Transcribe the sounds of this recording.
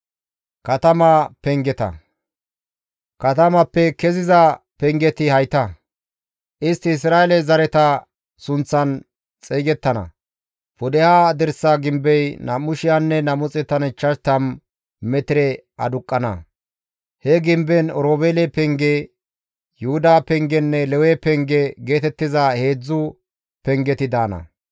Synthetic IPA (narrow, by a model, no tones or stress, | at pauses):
kɐt̪ɐmapɛŋɡɛt̪ɐ̰ | kɐt̪ɐmɐpːɛkɛzɪzɐpɛŋɡɛt̪ɪhɐjt̪ɐ | ʔɪst̪ːɪːs̬ɾaːɛlɛzɐɾɛt̪ɐ | sʊnt͡sːɐn | t͡sʼɛjɡɛt̪ːɐnɐ̰ | pʊd̪ɛhad̪ɛɾsːaɡɪmbɛjnɐmʊʃɪjanːɛnɐmʊt͡sʼɛt̪ɐnɪt͡ʃːɐʃt̪ɐm | mɛt̪ɪɾɛ | ɐ̰d̪ʊkʼːɐnɐ̰ | hɛɡɪmbɛnɔɾoːbeːlɛpɛŋɡe | jʊhʊd̪aːpɛŋɡɛnːɛlɛwɛpɛŋɡɛɡe̞ːt̪ɛt̪ːɪzɐhe̞ːd͡zːʊ | pɛŋɡɛt̪ɪd̪aːnɐ̰